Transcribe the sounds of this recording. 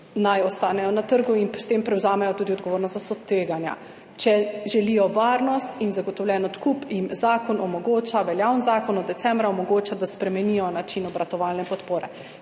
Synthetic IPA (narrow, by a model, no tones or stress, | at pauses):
najɔst̪aːnɛjɔnat̪əɾɡuinst̪eːmpɾɛwzaːmɛjɔt̪uːd̪iɔd̪̚ɡoʋoːɾnɔst̪zast̪sɔt̪ʋeːɡanja̰ | t͡ʃɛʒɛliːjɔʋaːɾnɔst̪inzaɡɔt̪ɔwlʲjɛːnɔt̪kupinzaːkɔnɔmɔɡoːt͡ʃaʋɛljawnzaːkɔnɔd̪ɛt̪sɛmbɾaɔmɔɡoːt͡ʃad̪aspɾɛmɛnijɔnat͡ʃinɔbɾat̪ɔʋaːlnɛpɔt̪poːɾɛ